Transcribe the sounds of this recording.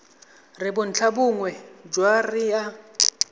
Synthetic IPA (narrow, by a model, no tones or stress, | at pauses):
rɪbʊn̩t͡ɬʰabʊŋwɛd͡ʒwarɪja